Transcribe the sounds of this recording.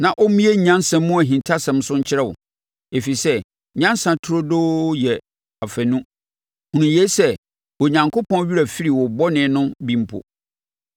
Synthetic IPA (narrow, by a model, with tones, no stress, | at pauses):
nã˨ʔɔ˦mĩ˦e˦ɲ̩˨ɲã˦n˦sɛ̃˨mːʊ̃˦æ˨ɦĩ˨ntʰa˦sɛ̃˨m˦sʊ̃˦ɲ̩˦t͡ɕʰɪ˦ɾɛ˦˨wʊ̰˨ | e˨fi˨sɛ˦˨ | ɲã˦nsã˨tʰʊ˦ɾo˦doː˦jɛ˨ | a˨fæ˨nũ˦ | hũ˨ũ˨je˦sɛ˦ | wo˨ɲã˨ŋkʰo˦pʰɔ̃˦n˦ɥi˦ɾæ˨fi˦ɾi˨wʊ˨bɔ˦nɪ̃˨˦nʊ̃˦bĩ˦m˦pʰo̰˨